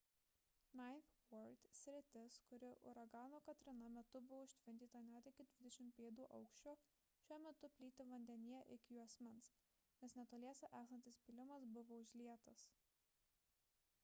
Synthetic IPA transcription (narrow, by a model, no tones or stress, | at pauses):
nɑɪfwɔɾt̪ʲsʲɾʲɪt̪ʲɪskʊɾʲɪʔʊ̰ɾɐɡɑːnoːkɐt̪ʲɾʲɪnɐmʲɛt̪ʊbʊʋoːɪʃʲt̪ʲʋʲɪnʲt̪ʲiːt̪ɐnʲæːt̪ʲɪkʲɪd̪ʲʋʲɪd̪ʲɛʃʲɪmʲpʲeːd̪uːʔɐʊkʃʲt͡ʃʲoː | ʃʲuɔmʲɛt̪ʊpʲlʲiːt̪ʲɪʋɐnʲd̪ʲɛnʲijɛʔɪkʲjuːɐsʲmʲɪns | nʲɛsnʲɛt̪oːlʲiɛsʲɛʔæːksɐnʲt̪ʲɪspʲɪlʲɪmɐsbʊʋoːʊʒʲlʲiɛt̪ɐs